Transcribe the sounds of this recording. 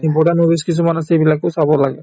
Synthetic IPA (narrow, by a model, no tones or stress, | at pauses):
ibɔʈanobiskisʰumanasejbilakʊsabɔlaɡɛ